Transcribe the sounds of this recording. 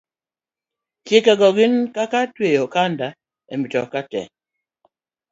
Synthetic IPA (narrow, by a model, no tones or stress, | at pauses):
kjekaɡɔɡinkakatwejɔkanda | ɛ̰mitɔ̰katɛ̰